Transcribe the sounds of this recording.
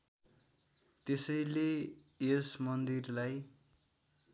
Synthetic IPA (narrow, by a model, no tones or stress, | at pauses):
t̪esʌjle | esmʌnd̪irlaj